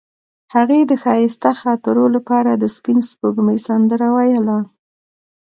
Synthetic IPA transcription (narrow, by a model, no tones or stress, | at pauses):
haɣed̪əxɑjɪst̪axɑt̪əɾolapɑɾad̪əspinspoɡməjsand̪əɾawajəla